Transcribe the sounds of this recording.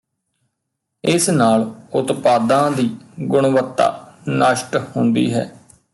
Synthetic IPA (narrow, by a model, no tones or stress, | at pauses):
ɪsnaːlʊt̪paːd̪ãːd̪iːɡʊɳʋət̪ːa̰ːnəʃʈhʊnd̪ḭːɦɛ̰ː